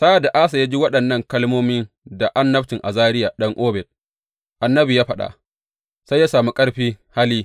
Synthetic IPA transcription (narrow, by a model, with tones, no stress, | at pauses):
sa˦˨da˨ʔaː˦sa˨ja˦d͡ʒi˦wɐ˦ɗɐ˨nːɐ˦ŋkɐ˦lmoː˦mɪ˦n | da˨ʔa˦nːɐ˦ɸtɪ˨ŋʔa˨zaː˦ɾɪ˦ja˨ɗɐ˦ŋʔoː˦bɛ˨t̚ | ʔa˨nːɐ˦bi˨jaː˦ɸɐ˦ɗa̰˨ʔ | sa˦jːaː˦saː˨mu˦kʼɐ˦ɽɸiː˦ha˦liː˦